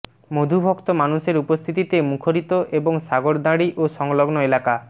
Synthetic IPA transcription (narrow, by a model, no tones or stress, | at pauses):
mod̪ʱubʱokt̪omanuʃeɾupost̪ʰit̪it̪emukʰoɾit̪oʔeboŋsaɡoɾd̪aɽiʔoʃɔŋloɡnoelaka